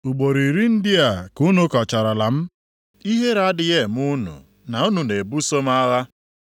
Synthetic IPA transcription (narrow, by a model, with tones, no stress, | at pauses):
u˨ɡ͡bo˨ɾi˨ɾi˦n̩˦dɪ˦a˨ku˦nu˦kɔ˨t͡ʃa˨ɾa˨la˨m̩˦ | i˦ɦe˦ɾa˦dɪ˨ɣe˦˨m˦u˦nṵ˨ | na˨u˦nu˨ne˨bu˦so˦m˦a˦ɣa˦